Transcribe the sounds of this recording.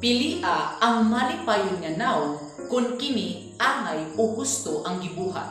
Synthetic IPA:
pɪliːʔaɐŋmalɪpaːjʊnŋɐnaw | kʊnkɪmi | ʔaːŋajoɡʊst̪oʔɐŋɡɪbuːɦa̰t̪̚

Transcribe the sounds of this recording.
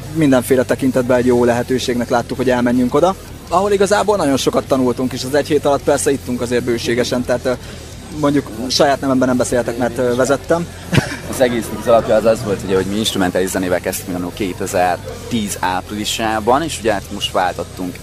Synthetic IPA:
mind̪ɛɱfeːlɛt̪ɛkint̪ɛd̪̚bɛɛɟjoːlɛɦɛt̪øːʃeːɡnɛklaːt̪ːukho̞ɟɛlmɛɲːyŋko̞d̪ɒ | ɒɦo̞liɡɒzaːboːlnɒɟo̞nʃo̞kɒt̪ːɒnult̪uŋkeːʃɛzɛcheːt̪ɒlɒt̪̚pɛrsɛit̪ːuŋkɒzeːr̚bøːʃeːɡɛʃɛnt̪ɛːt̪ | mo̞ɲɟukʃɒjaːt̪nɛvɛmbɛnɛmbɛseːlt̪ɛkmɛrt̪ːvɛzɛt̪ːɛm | ɒzɛɡeːsikuzɒlɒpjɒːzɒzvo̞lt̪ʰuɟɛɦo̞ɟmiinʃt̪ɾumɛnt̪aːliʃzɛneːvɛlkɛst̪ykmnkeːt̪ɛzɛrt̪iːzaːpriliʃaːbɒneːʃuɟɛt̪mo̞ʃt̪vaːlt̪ot̪ːuŋk

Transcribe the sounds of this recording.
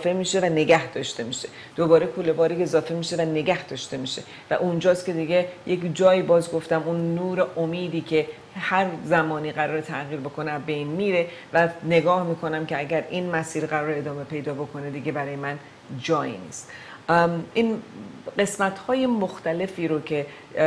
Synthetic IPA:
fe̞miːʃe̞væne̞ɡæhd̪ɒːʃt̪e̞miːʃe̞ | d̪̥obɒːɾe̞kʰolːebɒːɾiezɒːfe̞miːʃe̞væne̞ɡæhd̪ɒːʃt̪e̞miːʃe̞̰ | væ̰ʔund͡ʒɒːst̪kʲʰe̞d̪iɡe̞jʔecd͡ʒɒːjiːbɒːzɡo̞ft̪æmunːuːɾeʔomiːd̪iːcʰe̞ | hæɾzæmɒːniːɣæɾɒːɾet̪ʰæɣiːɾbo̞kʰo̞neæzbejnmiːɾe̞ | væne̞ɡɒːhmiːkʰo̞næmcʰe̞æɟæɾiːnmæsiːɾɢæɾɒːɾeːd̪ɒːme̞pʰe̞jd̪ɒːbo̞kʰo̞ne̞d̪iɡe̞bæɾɒːjemæn | d͡ʒɒːjḭːnḭːst̪ | iːnɢe̞smæt̪hɒːje̞moxt̪æle̞fiːɾocʰe

